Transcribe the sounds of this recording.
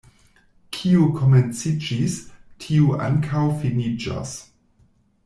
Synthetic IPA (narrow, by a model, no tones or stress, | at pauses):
kʰiukʰoment͡sid͡ʒistʰiuʔa̰ŋkʰawfinid͡ʒa̰s